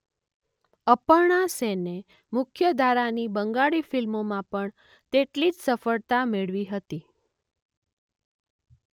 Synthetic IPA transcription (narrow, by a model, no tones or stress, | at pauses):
əpəɾɳasene | mʊkʰjəd̪ʱaɾanibəŋɡaɭifilmomãpəɳ | t̪eʈlid͡ʒsəfəɭt̪ameɭʋiɦət̪i